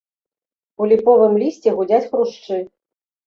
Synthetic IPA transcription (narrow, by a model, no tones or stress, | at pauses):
ulʲipɔvɨmlʲisʲt͡sʲɛɣud͡zʲat͡sʲxɾuʂt͡ʂɨ